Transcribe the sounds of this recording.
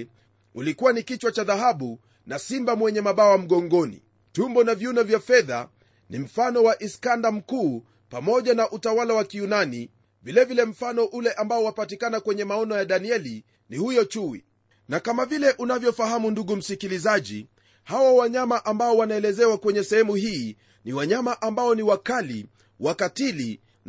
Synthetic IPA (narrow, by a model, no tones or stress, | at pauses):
ulikuwanikit͡ʃwat͡ʃaðahaɓu | nasimbamwɛɲɛmaɓawam̩ɠɔŋɡɔnḭ | tumbɔnavjunɔvjafɛða̰ | nim̩fanɔwaʔiskandam̩kuː | pamɔʄanaʔutawalawakijunani | vilɛvilɛm̩fanɔʔulɛʔambaɔwapatikanakwɛɲɛmaɔnɔjaɗaniɛli | nihujɔt͡ʃuwḭ | nakamavilɛʔunavjɔfaɦamunduɠum̩sikilizaʄḭ | hawawaɲamaʔambaɔwanaɛlɛzɛwakwɛɲɛsɛhɛmuɦiː | niwaɲamaʔambaɔniwakalḭ | wakatili